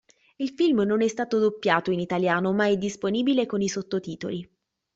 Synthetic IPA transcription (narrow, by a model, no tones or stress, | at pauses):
ilfilmnonɛst̪aːt̪od̪opːjaːt̪oinit̪aljaːnomaɛd̪isponiːbilekonisot̪ːot̪iːt̪o̰li